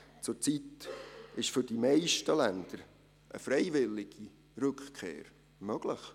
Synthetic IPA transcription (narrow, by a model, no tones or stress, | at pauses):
t͡sʊɾt͡sit̪ɪʃfʏɾd̥imɛɪʃtəlænd̪̥əɾ | ʔə̰fɾɛɪvɪlɪɡ̥i | ɾɵkχkʰḛːɾ | mœɡ̥lɪχ